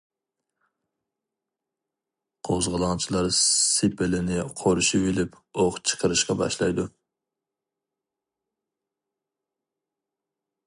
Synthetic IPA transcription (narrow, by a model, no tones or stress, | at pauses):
qʰozʁəlˠɑŋt͡ʃʰilˠɑɾsɪpʰɪlɪnɪqʰoɾuʃiwilɪp | oʁt͡ʃʰə̥qʰəɾɨʃqɑbɑ̰ʃlˠɑjd̪u